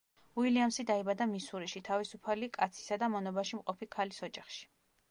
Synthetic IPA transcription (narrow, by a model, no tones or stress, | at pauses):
wiliamsid̪aibad̪amisuɾiʃit̪ʰavisupʰalikʼat̪sʰi̥sad̪amɔnɔbaʃimqʼɔpʰikʰalisɔd͡ʒaχʃi̥